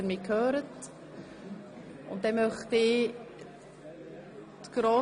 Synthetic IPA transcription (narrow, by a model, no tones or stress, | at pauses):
əɾmɪkʰøːɾət | ʊ̰nt̚dɛmœχt̪ɪ | tɡ̥ɾoː